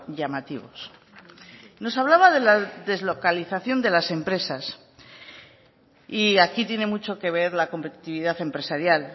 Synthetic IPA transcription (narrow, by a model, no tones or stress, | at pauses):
ʝamat̪iβo̞̰s | no̞saβlaβaðe̞laðe̞zlo̞kaliθaθjo̞nd̪elase̞mpɾe̞sas | iakit̪je̞ne̞mut͡ʃo̞ke̞β̞e̞ɾlako̞mpe̞t̪i̥t̪iβiðaθe̞mpɾe̞saɾjal